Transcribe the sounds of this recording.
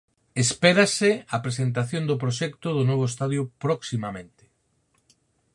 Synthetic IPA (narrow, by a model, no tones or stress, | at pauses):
espeɾasɪapɾesent̪aθjond̪ʊpɾoʃɛkt̪ʊðʊnɔβoest̪aðjopɾɔksimamẽnt̪ɪ̥